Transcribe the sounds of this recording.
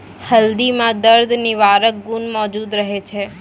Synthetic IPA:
həld̪imãd̪əɾd̪ʱniʋaɾək̚ɡunmɔd͡ʒud̪ɾəɦet͡ʃʰe

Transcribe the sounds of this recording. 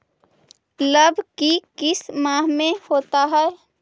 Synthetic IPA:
ləbʱkikɪsmaːɦmẽhoːt̪aɦɛː

